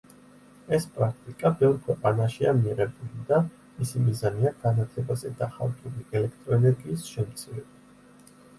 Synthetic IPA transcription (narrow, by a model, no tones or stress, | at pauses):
ɛspʼɾak̚ʰt̪ʼikʼabɛvɾkʰwɛqʼanaʃiamiɛɾɛbulid̪a | misimizaniaɡanat̪ʰlɛbazɛd̪aχa̰lˠt̪ʼuliɛlɛkʰt̪ʼɾɔɛnɛɾɡiːsʃɛmt̪sʰiɾɛba